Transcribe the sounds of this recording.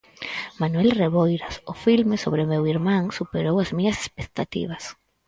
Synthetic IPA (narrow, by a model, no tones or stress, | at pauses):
manuelreβojɾasʊfilmesoβɾemewiɾmãŋsupeɾowazmiɲase̥spek̚t̪at̪ḭβas